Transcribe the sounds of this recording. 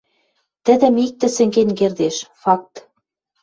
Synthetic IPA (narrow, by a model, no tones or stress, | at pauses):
t̪ɘ̆d̪ɘ̆mik̚t̪ɘ̆sɘ̆ŋɡenkerd̪eʃfɑk̚t̪